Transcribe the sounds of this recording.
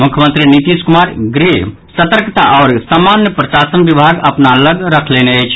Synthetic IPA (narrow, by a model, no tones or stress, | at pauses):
mukʰjəmənt̪ɾinit̪iskumaɾɡɾiɦ | sət̪əɾkt̪aʔɔʊɾsamanjəpɾəsasənbibʱaɡəpnaləɡɾəkʰleneəjt͡ʃʰ